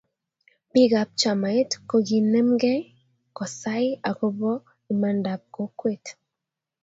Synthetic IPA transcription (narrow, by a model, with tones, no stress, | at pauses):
bi˦ɣa˨p̚t͡ʃa˨ma˨e˦tko˨ɣi˨nɛ˦mɡɛ˦ | kɔ˨sa˦i˦a˨ko˦bɔ˦ | i˨ma˨nda˨p̚ko˦kwe˦˨t